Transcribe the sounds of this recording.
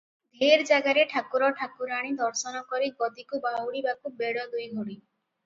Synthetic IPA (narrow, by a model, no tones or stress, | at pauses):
d̪ʱeɾd͡ʒaɡaɾeʈʰakuɾɔʈʰakuɾaɽ̃id̪ɔɾsɔnɔkɔɾiɡɔd̪ikubawɽibakubeɽɔd̪ujɡʱoɽi